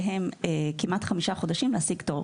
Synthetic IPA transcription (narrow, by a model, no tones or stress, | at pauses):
ɦemekimʔat̪χamiʃaχo̞daʃimleasiɡtov